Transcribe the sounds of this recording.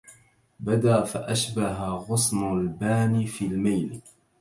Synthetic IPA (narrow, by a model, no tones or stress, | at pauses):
bad̪aːfaʔaʃbaɦaɣʊsnʊlbaːniːfiːlmajl